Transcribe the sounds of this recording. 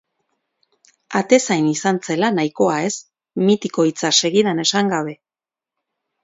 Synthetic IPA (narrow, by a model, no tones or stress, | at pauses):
at̪e̞sajnisant͡se̞lanajko̞ae̞s | mit̪iko̞it͡sase̞ɣiðane̞saŋɡaβ̞e̞